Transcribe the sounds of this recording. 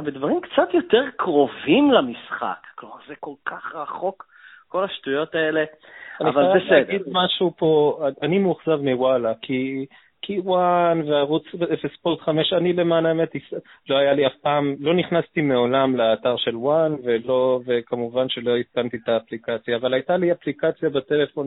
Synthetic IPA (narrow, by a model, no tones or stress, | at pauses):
bed̪vaʁimkt͡sat̪jo̞t̪eʁkʁo̞vimlamisχa̰kːlomaʁzeko̞lkʰaχʁaχo̞k | ko̞laʃtujo̞t̪aeleaniavalbesedɡid̪maʃupo̞animuχzavmiwalakʰi | kʰiwanveaʁut͡svefespolt̪χame̞ʃanile̞manaemet̪islo̞ajaliafpaːmlo̞niχnast̪ime̞o̞lamleat̪aʁʃe̞lwanvelovekamuvanʃe̞lo̞itkant̪it̪aːplikat͡sjaːvalajt̪aliaplikat͡sjabat̪ele̞fo̞n